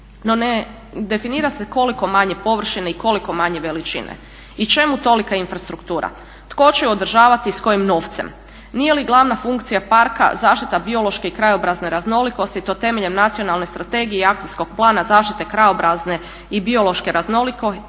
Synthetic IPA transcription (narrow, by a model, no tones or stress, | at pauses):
no̞ne | d̪e̞finiːɾase̞ko̞liko̞maɲe̞po̞ʋr̩ʃineiko̞liko̞maɲe̞ʋe̞lit͡ʃḭnḛ | it͡ʃe̞mut̪o̞likainfɾast̪ɾukt̪uːɾa̰ | t̪ko̞t͡ʃeod̪r̩ʒaːʋat̪isko̞jimno̞ːft̪se̞̰m | nije̞liɡlˠaʋnafuŋkt̪sijapaɾka̰zaːʃt̪i̥t̪abio̞lˠo̞ʃke̞ikɾajo̞bɾazne̞ɾazno̞liko̞st̪it̪o̞t̪e̞me̞ʎe̞mnat̪sio̞nalˠnest̪ɾat̪e̞ɡijeɛakt̪isko̞ɡ̥̚plˠaːnazaːʃt̪it̪e̞kɾajo̞bɾazne̞ | ibio̞lo̞ʃke̞ɾazno̞liko